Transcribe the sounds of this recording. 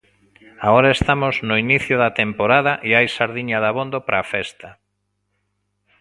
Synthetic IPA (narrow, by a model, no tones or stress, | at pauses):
aoɾaest̪amoznʊiniθjʊðɐt̪empoɾaðɐʔiajsaɾðiɲaðaβond̪opɾʔaːfɛst̪a